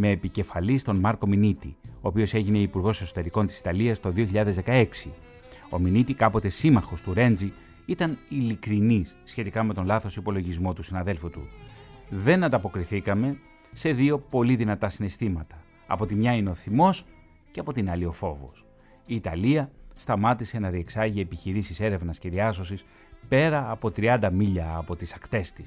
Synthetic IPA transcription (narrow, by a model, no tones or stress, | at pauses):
me̞ːpice̞fɐlist̪o̞nmɐɾko̞minit̪ḭo̞ːpio̞se̞ʝine̞ipuɾɣo̞se̞so̞t̪e̞ɾiko̞nt̪i̥si̥t̪ɐliɐst̪o̞ðio̞çiʎɐðezðe̞kɐe̞ksi | o̞̰minit̪ikɐpo̞t̪e̞simɐxo̞st̪uɾe̞nd͡zi | it̪ɐnilikɾinisçe̞t̪ikɐme̞t̪o̞nlɐθo̞sipo̞lo̞ʝizmo̞t̪usinɐðe̞lfut̪ṵ | ðe̞nɐnd̪ɐpo̞kɾiθikɐme̞ | se̞ðio̞po̞liðinɐt̪ɐsine̞st̪imɐt̪ɐ̥̰ː | po̞t̪imɲɐine̞o̞θimo̞s | ceɐpo̞t̪inɐlio̞fo̞vo̞̰s | iːt̪ɐliɐst̪ɐmɐt̪ise̞nɐðie̞ksɐʝiepiçiɾisise̞ɾe̞vnɐsce̞ðiɐso̞sis | pe̞ɾɐːpo̞t̪ɾiɐnd̪ɐmiʎɐːpo̞t̪isɐkt̪e̞st̪i̥s